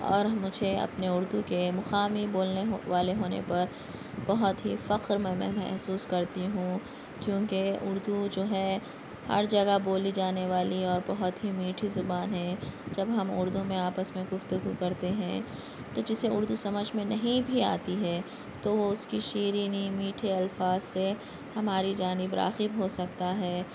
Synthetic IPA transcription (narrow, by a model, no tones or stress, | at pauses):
ɔ̰ːɾmʊd͡ʒʱeɐ̰pneʊɾd̪ukemʊxaːmiboːlneʋaːleɦoːnḛpɐɾ | b̥ɐɦʊt̪ɦifɐqɾmɛ̃mɛ̰̃mɛ̰ɦsuːskɐɾt̪iɦũː | kjõːkeʊɾd̪ud͡ʒoːɦɛ | hɐ̰ɾd͡ʒɐɡaboːlid͡ʒaːneʋaːliɔːɾbɐɦʊt̪ɦimiːʈʰizʊbaːnɦɛ̃d͡ʒɐbɦɐmʊ̰ɾd̪ũmẽaːpəsmẽɡʊft̪ʊɡukɐɾt̪eɦɛ̰̃ | t̪od͡ʒɪseʊɾd̪usɐməd͡ʒʱmẽnɐɦĩbʱia̰ːt̪iɦɛː | t̪oʋoʊskiʃiːɾiːnimiːʈʰiɐlfaːzse | hɐmaːɾid͡ʒaːnɪbɾa̰ːqɪbɦosɐk̚t̪aɦɛː